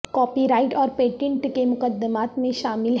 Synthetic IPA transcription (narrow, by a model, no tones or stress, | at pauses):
kɔːpiɾaːɪʈɔːɾpeːʈɪ̃ɳʈkemʊqəd̪ːəmaːt̪mẽʃaːmɪlɦ